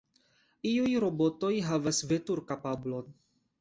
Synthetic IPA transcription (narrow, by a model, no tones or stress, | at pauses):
iujɾo̞bo̞to̞jɦavasve̞tuɾkapablon